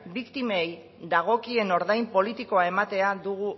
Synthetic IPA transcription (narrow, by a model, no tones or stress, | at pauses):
bikt̪imej | d̪aɣ̞o̞kie̞no̞ɾðajmpo̞lit̪iko̞ae̞mat̪e̞aðuɣ̞u